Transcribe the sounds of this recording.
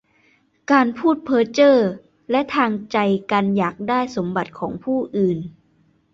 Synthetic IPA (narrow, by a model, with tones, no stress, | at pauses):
kaː˧npʰuː˥˩t̪̚pʰɤː˦˥t̚t͡ɕɤː˥˩ | lɛ˦˥ʔt̪ʰaː˧ŋt͡ɕa˧jkaː˧njaː˨˩k̚daː˥˩jso˩˦mba˨˩t̪̚kʰɔː˩˦ŋpʰuː˥˩ʔɯː˨˩n